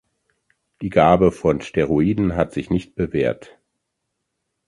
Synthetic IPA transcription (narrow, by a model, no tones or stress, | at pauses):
d̥iːɡaːbəfɔnʃteʁoiːdn̩ɦatz̥ɪçnɪçt̚b̥əveːɐt